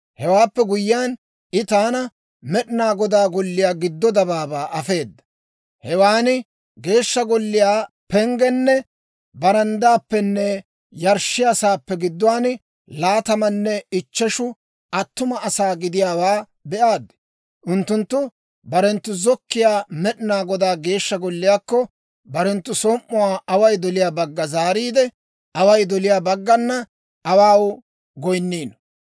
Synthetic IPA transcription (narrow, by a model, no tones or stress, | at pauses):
hɛwaːpːɛɡʊjɪjaːn | ʔɪt̪aːnɐ | mɛɗɪnaːɡɔd̪aːɡɔlːɪjaːɡɪd̪ːɔd̪ɐbaːbaːʔɐfe̞ːd̪ːɐ̥ | hɛwaːnɪ | ɡe̞ːʃːɐɡɔlːɪjaː | pɛŋɡɛnːɛ | bɐɾɐnd̪aːpːɛnːɛ | jɐɾʃːɪjɐsaːpːɛɡɪd̪ːɔwaːn | laːt̪ɐmɐnːɛɪt͡ʃːɛʃʊ | ʔɐt̪ːʊmɐʔɐsaːɡɪd̪ɪjaːwaː | bɛʔaːd̪ | ʔʊnt̪ːʊnt̪ːʊ | bɐɾɛnt̪ːʊzɔkːɪjaːmɛɗɪnaːɡɔd̪aːɡe̞ːʃːɐɡɔlːɪjaːkːɔ | bɐɾɛnt̪ːʊsoːʔːʊwaːɐwɐjd̪ɔlɪjaːbɐɡːɐzaːɾiːd̪ɛ | ʔɐwɐjd̪ɔlɪjaːbɐɡːɐnːɐ | ɐwaːw | ɡɔjnːiːn